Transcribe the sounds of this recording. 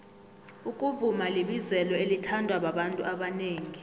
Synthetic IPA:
ukʼuvumaleɓizɛlɔelitʰandʱwaɓaɓantʼṵʔaɓaneːŋi

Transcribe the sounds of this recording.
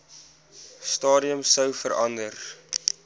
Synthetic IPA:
stɑːɾiəmsəwfəɾʔɐndər

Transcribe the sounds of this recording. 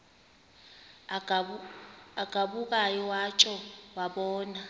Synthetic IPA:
aɡ̥ʱaɓuk̬ajɔwat͡ʃʼɔwaɓɔːna

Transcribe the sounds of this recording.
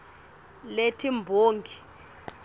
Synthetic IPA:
letʰimbʱoːŋɡʱi

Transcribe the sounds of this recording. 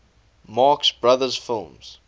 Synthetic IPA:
mɑːksbɹaðəz̥fɪlˠmz̥

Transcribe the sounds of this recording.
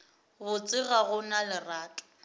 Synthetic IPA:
ɣʊt͡sʼɪɣaɣʊnalɪraːtʼʊ̥

